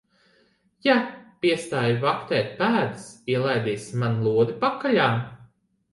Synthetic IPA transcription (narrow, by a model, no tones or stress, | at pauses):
japiɛst̪aːjvakt̪ɛːt̪̚pæːd̪ɨsiɛlˠajd̪iːsmanlˠuɔd̪ipakːaʎʲaːm